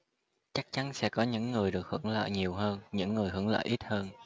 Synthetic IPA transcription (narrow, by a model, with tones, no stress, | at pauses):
t͡ɕa˦˥k̚t͡ɕa˨˦nsɛ̰˧˥kɔ˨˦ɲɨ̰˧˥ŋːɨ˨˩əjɗɨ˨˩ək̚hɨ˧˩əŋlə̰ː˧˨jɲi˨˩əwɦəː˧nɲɨ̰˧˥ŋːɨ˨˩əjɦɨ˧˩əŋlə̰ː˧˨jʔi˦˥t̚həː˧n